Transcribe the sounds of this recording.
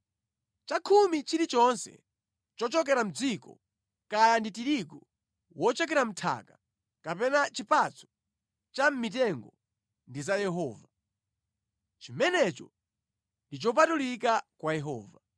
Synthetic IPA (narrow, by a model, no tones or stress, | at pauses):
t͡ʃakʰumit͡ʃiɾit͡ʃɔnsɛ̰ | t͡ʃɔt͡ʃɔk̬ɛɾam̩d͡zikɔ̰ | kajanditiɾikɔ | wɔt͡ʃɛk̬ɛɾam̩tʰa̰ka | kapɛnat͡ʃipat͡sɔ̥ | t͡ʃam̩mit̬ɛŋɡɔ | ndizajɛɦɔːva | t͡ʃimɛnɛt͡ʃɔ | ndit͡ʃɔp̬atulikakwajɛɦɔ̰ːva